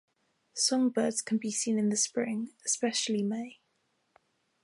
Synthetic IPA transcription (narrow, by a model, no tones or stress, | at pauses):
sɒ̃ŋbɜːdz̥kʰə̃nbisĩːnɪ̃nðəspɹɪ̃ŋɪspɛʃəlimeɪ